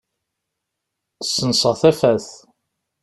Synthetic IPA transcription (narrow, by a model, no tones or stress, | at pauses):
sːənsˤəʁθæfæθ